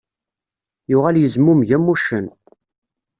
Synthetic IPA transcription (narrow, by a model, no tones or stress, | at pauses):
jʊʁæljəzmumʝæmːuʃən